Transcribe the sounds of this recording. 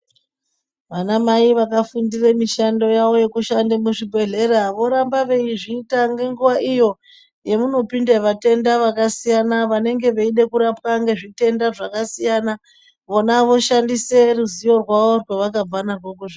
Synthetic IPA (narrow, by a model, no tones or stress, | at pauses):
ʋanamaiʋakafundiremiʃando̞jaʋo̞je̞kuʃandemuʐibʱe̞ɮe̞ɾaʋo̞ɾambaʋe̞iʐiːtaŋɡe̞ŋɡuʋaʔijo̞ | je̞muno̞pindeʋate̞ndaʋakasijanaʋane̞ŋɡe̞ʋeiɗe̞kuɾapwaŋɡe̞ʐite̞ndaʐakasijana | ʋo̞naʋo̞ʃandise̞ruzijo̞rwaʋo̞rweʋakab͡vanarwokuʐi